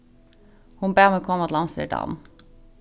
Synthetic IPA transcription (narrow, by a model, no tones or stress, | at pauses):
hʊnbeːʁmɛkʰɔməɔt̪lɑmsə̰ɖɑ̰ːm